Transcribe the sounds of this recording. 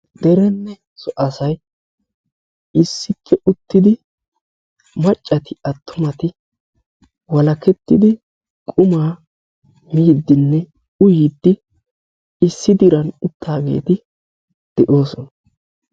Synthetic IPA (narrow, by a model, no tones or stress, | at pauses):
d̪̥ɛɾɛnːɛ | sɔʔɐsɐj | ɪsːɪpʰːɛʔʊt̪ːɪd̪ɪ | mɐt͡ʃʼːɐt̪ɪɐt̪ʰːʊmɐt̪ɪ | wɐlɐkɛt̪ːɪd̪ɪ | kʼʊmaː | miːd̪ːɪnːɛ | ʊjɪd̪ːɪ | ɪsːɪd̪ɪɾɐnʊt̪ːaːɡe̞̰ːt̪ɪ | d̪̥ɛʔo̞ːsɔnɐ